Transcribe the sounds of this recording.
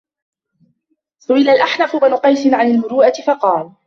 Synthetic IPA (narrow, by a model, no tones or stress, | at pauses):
sʊʔɪlalʔaħnafʊbnʊqɑjsɪnʕanalmʊɾuːʔat̪ɪfɑqɑːl